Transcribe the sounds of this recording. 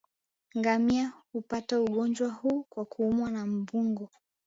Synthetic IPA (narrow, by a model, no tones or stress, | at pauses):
ŋɡamiahupatauɠɔnd͡ʒwahuːkwakuumwanam̩buŋɡɔ